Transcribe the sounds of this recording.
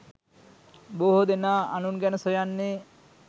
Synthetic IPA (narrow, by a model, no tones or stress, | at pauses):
boɦod̪enaanunɡɛnsojanːe